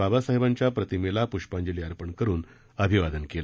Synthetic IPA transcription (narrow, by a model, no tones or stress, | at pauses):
abasaɦebaɲt͡ɕjapɾət̪imelapuʂpãɲd͡ʑeliːaɾpəɳkəɾuːn | əbʱiʋad̪ənkela